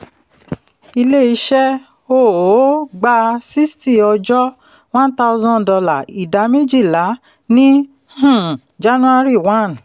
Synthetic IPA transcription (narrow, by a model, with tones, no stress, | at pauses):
i˧le˦˨i˧ʃɛ˦ | o˦˨o˨˦ɡ͡ba˧si˦sti˦˨ɔ˧d͡ʒɔ˦ | w̃ã˦n̩˦ta˧u˧zɔ̃˦n˨dɔ˧la˨i˨da˨˦me˦d͡ʒi˦˨la˨˦ | nĩ˦ | hũ˦˨ | d͡ʒa˦nũ˦a˦ɾi˦˨wã˦˨n